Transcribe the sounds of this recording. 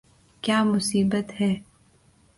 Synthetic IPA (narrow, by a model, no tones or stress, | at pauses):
kjaːmʊsiːbət̪hɛː